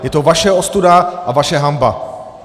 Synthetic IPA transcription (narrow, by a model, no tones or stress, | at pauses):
jɛt̪ovaʃɛost̪udaʔavaʃɛɦamba̰